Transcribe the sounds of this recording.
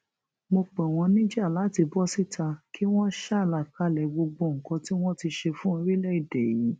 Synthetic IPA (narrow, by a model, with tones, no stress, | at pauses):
mo˧k͡pɛ̃˨w̃ɔ̃˧nĩ˦d͡ʒa˦˨la˨˦ti˧bɔ˦si˦˨tʰa˧kʰi˦w̃ɔ̃˦ʃa˦˨la˨ka˦lɛ˨ɡ͡bo˧ɡ͡bo˧˨ŋ̩˨kɔ̃˨˧ti˦w̃ɔ̃˦ti˧ʃe˧fũ˦i˧ɾi˦lɛ˦i˦˨dɛ˨ji˨˦